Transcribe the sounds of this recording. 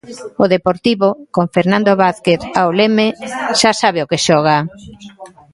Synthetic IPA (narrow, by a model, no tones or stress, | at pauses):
oðepoɾt̪iβokoɱfeɾnãnd̪oβaθkeθaolemeʃasaβ̞eokeʃɔɣ̞a